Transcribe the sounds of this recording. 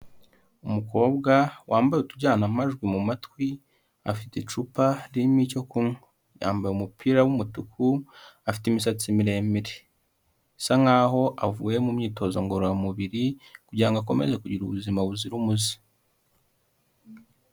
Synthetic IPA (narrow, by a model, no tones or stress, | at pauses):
umuko̞ːbɡawʔaːmbajutuɟaːnamaʒɡwimumatkwi | a̰fitet͡ʃupaɾimico̞kunu | ja̰ːmbajeumupʰiːɾawumutukʰuafi̥timisat͡simiɾe̞ːmbiɾe | saŋaɦo̞ʔavuːje̞mumɲiːto̞ːzoŋɡo̞ɾojamuβiɾikuɟiɾaŋɡak̬o̞me̞̰zekuɟiɾuβuzimaβuziɾumuzi̥